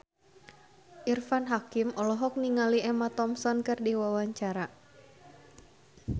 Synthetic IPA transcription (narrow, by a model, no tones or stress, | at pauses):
ʔirfanɦakimɔlɔɦɔk̚niŋaliɛmat̪ɔmsɔnkɨrdiwawaɲt͡ʃaɾa